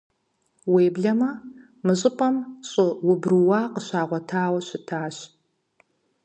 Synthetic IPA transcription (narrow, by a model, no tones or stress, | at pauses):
weːbɮɐmɐ | mɨɕʼɪpʼɐmɕʼɨwʊbrɨwaːqəɕaːʁʷɔtʰaːwɐɕɪtʰaːɕ